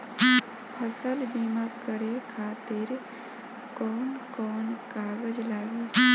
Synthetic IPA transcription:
pʰəsəlbiːmaːkəɽekʰaːt̪ɪɾ | kɔːnkɔːnkaːɡəd͡ʒlaːɡiː

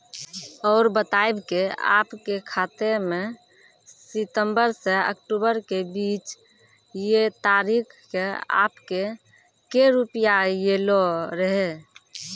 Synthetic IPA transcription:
ɔːɾbət̪aebkea̰ːpkekʰaːt̪emẽ | sɪt̪əmbəɾseə̰kʈubəɾkebiːt͡ʃ | jet̪aɾikʰkea̰ːpke | keɾupijajeloɾəɦe

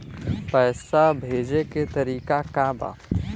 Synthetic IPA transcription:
pɛːsabʱeːd͡ʒeket̪ɐɾiːkakaba̰ː

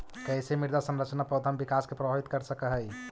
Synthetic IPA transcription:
kɛɪsemiɾd̪asə̃nɾət͡ʃnapəd̪ʱambikaːskepɾəbʱabit̪kəɾsəkəɦəj

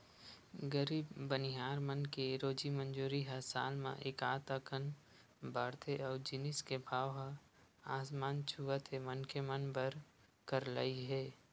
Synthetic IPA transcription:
ɡəɾiːbːənɪɦaːɾmənkeɾoːd͡ʒimə̃nd͡ʒuːɾiɦɐsa̰ːlmã̰ʔekaːt̪əkʰən | bʱaːɾt̪ʰeʔɔːɾd͡ʒɪnɪskebʱaːʋɦə | aːsmaːnt͡ʃʰuʋət̪ʰemənkemənbəɾ | kəɾlə̰iɦɛː

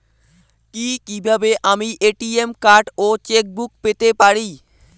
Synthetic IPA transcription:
kikibʱabeʔamiʔeʈiemkaɾɖot͡ɕek̚buk̚pet̪epaɾi

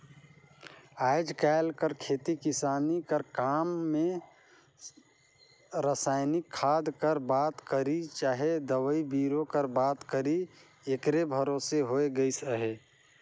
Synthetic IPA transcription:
aːɪd͡ʒkaɪlkəɾkʰeːt̪ikɪsaːnikəɾkaːmːẽ | ɾasaːɪnɪkʰːaːd̪kəɾbaːt̪kəɾit͡ʃaːɦed̪əwəibiːɾokəɾbaːt̪kəɾi | ekɾebʱəɾoːseɦoeɡəisəɦe

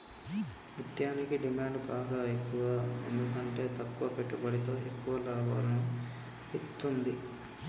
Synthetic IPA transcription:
mit̪jaːnikiɖimaːɳɖbaːɡaːekːuʋaːḛnd̪ukɐɳʈe̞ːt̪ɐkːuʋɐpe̞ʈːubɐɽit̪o̞ːe̞kːuʋɐlaːʋa̰ːlɐnu | it̪ːund̪i

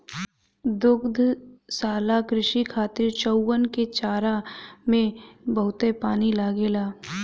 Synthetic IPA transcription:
d̪ʊkd̪ʱsaːlakɾɪʃikʰaːt̪ɪɾt͡ʃəwːənket͡ʃaːɾamẽbəɦʊt̪epaːnilaːɡeːlaː

